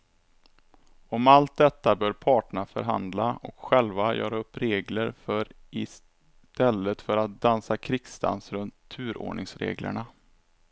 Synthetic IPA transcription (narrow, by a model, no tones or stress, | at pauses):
ɔmalt̪̚d̪ɛt̪ːabœːɾpʰɑːʈəɳafœ̰ɾɦa̰nd̪laɔ̰kɧɛlvajœ̰ːɾaɵpːɾeːɡləɾfœɾɪs | t̪ɛlːət̪fœɾat̪̚d̪ansakʰɾɪksd̪a̰nsɾɵnt̪ʰːʉ̟ːɾo̰ːɳɪŋsɾḛːɡlə̰ɳa